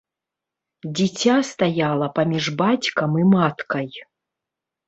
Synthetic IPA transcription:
d͡zʲit͡sʲast̪ajalˠɐpɐmʲiʐbat͡sʲkɐmimat̪kɐj

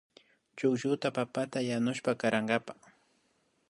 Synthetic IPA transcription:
t͡ʃʊkʒʊt̪apapat̪ajanʊʃpakaɾaɴɢapḁ

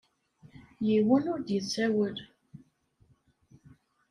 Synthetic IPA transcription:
jiwənʊɾd̪jət͡sːæwəl

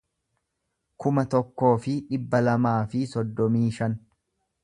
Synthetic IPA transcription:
kʊmɐt̪ɔkːo̞ːfɪᶑɪbːɐlɐmaːfɪsɔd̪ːɔmiːʃɐn

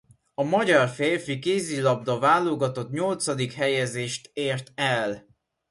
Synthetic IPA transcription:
ɒmɒɟɒrfeːrfikeːzilɒb̚d̪ɒvaːlːoɡɒt̪o̞t̪ɲo̞lt̪sɒd̪ikɦɛjɛzeːʃt̪eːrt̪ɛl

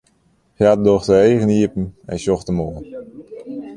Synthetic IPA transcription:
xjat̚doxtəeːɣəniəpn̩ɛ̰nsjɔxtəmoːən

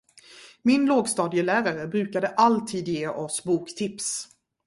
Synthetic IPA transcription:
mɪnloːɡst̪ɑːd̪ɪəlæːɾaɾəbɾʉ̟ːkad̪əʔalt̪ʰiːd̪jeːʔɔsbuːkt̪ʰɪps

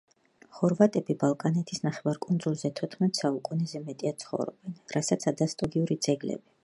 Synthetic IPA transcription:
χɔɾvat̪ʼɛbibalˠkʼanɛt̪ʰisnaχɛvaɾkʼund̪zulˠzɛt̪ʰɔt̪ʰχmɛt̪ʼsaukʼunɛzɛmɛt̪ʼiasʰχɔ̰vɾɔ̰bɛnɾasat̪sʰad̪ast̪ʼɔɡiuɾid̪z̥ɛɡlɛ̰bi

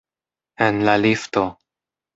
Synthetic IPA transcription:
enlalifto

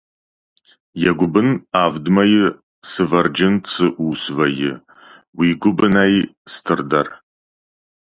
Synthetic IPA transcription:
jɛɡʷʊbɨnaːvdmɐjɪ | sɨvɐrd͡ʒɪnt͡sʰɨʔuːsvɐjɪ̰ | wiːɡʷʊbɨnaj | stʰɨrdɐr

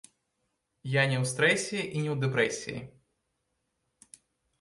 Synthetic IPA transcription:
janʲɛwst̪ɾɛsʲiiʔinʲɛwd̪ɛpɾɛsʲḭjḭ

